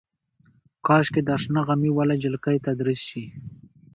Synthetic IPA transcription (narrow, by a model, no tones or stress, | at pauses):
kɑʃked̪aʂnaɣamiwalad͡ʒɪlkajt̪ad̪ɾisʃi